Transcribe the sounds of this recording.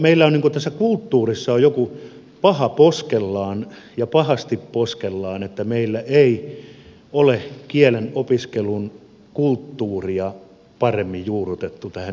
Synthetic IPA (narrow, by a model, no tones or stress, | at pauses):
meilːæoniŋkut̪æsːækult̪ːuːrisːɑojjoku | pɑhɑposkelːɑːn | jɑpɑhɑst̪ipposkelːɑːnet̪ːæmeilːæʔei | olekielenopiskelun | kult̪ːuːriɑ | pɑremːijjuːrut̪et̪ːut̪æhæ